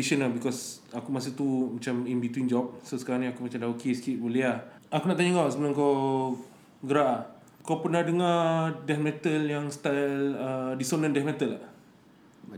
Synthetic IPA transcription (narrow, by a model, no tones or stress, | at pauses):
iʃənabikɔs | akumas̬iht̪umat͡ʃaminbit̪wind͡ʒɔp̚sosə̥kaɾaŋniakumat͡ʃamdaokeskiʔ̚bəlia | akunaʔt̪aɲaŋaʔsəbənaŋkaw | ɡəɾaʔ | kawpənadəŋadɛtmɛt̪əljaŋst̪alədisonə̃ndɛfmɛt̪əla